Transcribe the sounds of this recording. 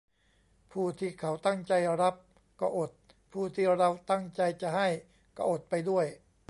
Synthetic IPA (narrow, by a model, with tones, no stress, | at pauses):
pʰuː˥˩t̪ʰiː˧˩kʰa˩˦wt̪a˥˩ŋt͡ɕa˧jɾa˦˥p̚ | kɔː˥˩ʔo˨˩t̪̚ | pʰuː˥˩t̪ʰiː˥˩ɾa˧wt̪a˥˩ŋt͡ɕa˧jt͡ɕa˨˩ɦa˥˩j | kɔː˥˩ʔo˨˩t̪̚pa˧jdu˥˩əj